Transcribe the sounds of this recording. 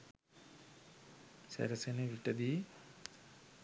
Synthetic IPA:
sɐ̰ɾɐseneʋiʈːɐd̪i

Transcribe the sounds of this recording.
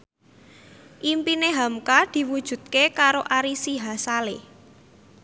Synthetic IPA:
ʔimpineɦamkad̪̥i̤wud̥ʒ̥ṳt̪̚kekaɾoʔaɾisiɦasale

